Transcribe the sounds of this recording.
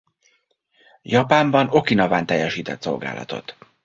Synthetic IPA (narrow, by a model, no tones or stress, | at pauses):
jɒpaːmbɒno̞kinɒvaːnt̪ɛjːɛʃiːt̪ɛt̪so̞̰lɡa̰ːlʔɒ̰t̪o̞̰t̪